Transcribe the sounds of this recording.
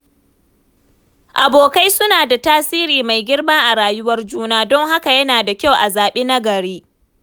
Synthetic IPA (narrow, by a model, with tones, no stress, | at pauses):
ʔa˨boː˨ka˦jsʊ˦naː˨da˨taː˦siː˦ɾiː˨ma˨jɡʲɪ˦rma˦ʔa˨ɽaː˨jʊ˦wɐ˦rd͡ʒuː˦naː˦dɔ˦ŋha˦ka˨jɐ˦naː˨da˨kʲa˦˨wʔa˨zaː˨ɓeː˦na˦ɡɐ˨ɽeː˦